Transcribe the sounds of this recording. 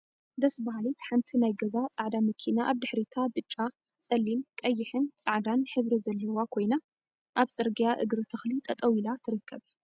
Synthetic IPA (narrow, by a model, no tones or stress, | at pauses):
d̪ɐsbaɦalit̪ħant̪ʰinajɡɐzat͡sʼaʕd̪amɐkʰinaʔaβd̪ɨħɾit̪ʰabɨt͡ʃʼːa | sʼɐlːimkʼɐjːɪħɨnt͡sʼaʕd̪anħɨβɾizɐlːɐwakʰo̞jna | ʔaβt͡sʼɨɾɡjaʔɨ̰ɡɾɨt̪ʰɐxlit̪ʼɐt̪ʼɐwilat̪ʰɨɾɨkʰːɐβ